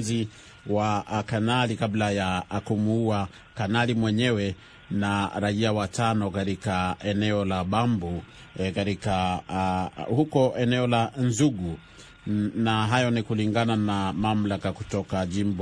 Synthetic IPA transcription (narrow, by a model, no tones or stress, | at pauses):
zi | wakanalikablajaːkumuua | kanalimwɛɲɛwɛ | naɾaiawatanɔkaɾikaɛnɛɔlaɓambu | kaɾika | hukɔɛnɛɔlanzuɡu | naɦajɔnikuliŋɡananamam̩lakakutɔkaʄimb